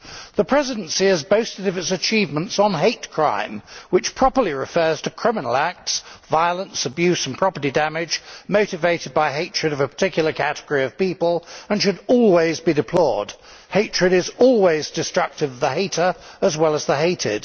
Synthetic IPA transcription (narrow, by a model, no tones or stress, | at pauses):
ðəpʰɹ̥ɛzɨdn̩siɨzbəʊstɨɾʌvɨtsɨt͡ʃʰivmə̃ntsn̩ɦeɪtkʰɹ̥ã̰ɪ̃mwɨt͡ʃpʰɹ̥ɑpə˞liɹɨfɜ˞z̥tʰɨkʰɹ̥ɪmənl̩ˠæk̚tsvaɪəlˠə̃nsəbjʉsn̩pʰɹ̥ɑpə˞ɾidæmɪd͡ʒmoʊɾɨveɪɾɨd̚baɪɦeɪt͡ʃɹ̥ɨɾʌvəpʰə̥tʰɪkʰjl̩ˠəkʰæɾəɡ̥əɹiʌv̥pipəlˠə̃nʃɨɾɔlˠwizbidɨpʰl̥ɔɹd̥ | heɪt͡ʃɹ̥ɨɾɨzɔlˠwizdɨstɹ̥ʌk̚tɨvðəheɪɾə˞əzwɛlˠəzðəɦeɪtɪ̰d̥